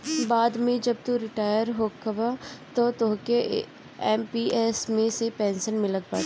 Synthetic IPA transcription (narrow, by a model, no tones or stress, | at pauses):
baːd̪mẽd͡ʒɐb̚t̪uɾɪʈaːjəɾɦoːkɐbat̪ot̪oɦke | ɛːmpiːʔeːsmẽsepɛ̃ːnsənmɪləkbaː